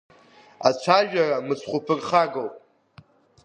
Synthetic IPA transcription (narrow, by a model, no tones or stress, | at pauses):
at͡ʃʷʰaʒᶣaramɨt͡sʰχʷupʰɨrχaɡowpʼ